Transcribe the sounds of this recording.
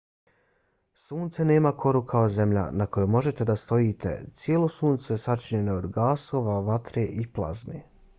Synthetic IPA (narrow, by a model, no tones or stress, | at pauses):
suːnt̪sene̞ːmakʰo̞ɾukʰaoze̞mʎa̰nako̞jomo̞ʒe̞t̪e̞d̪ast̪o̞jiːt̪ḛt̪sjeːlo̞suːnt̪sojesat͡ʃiɲe̞nood̪ɡaːso̞ːʋaʋat̪ɾeʔiplˠa̰zmḛ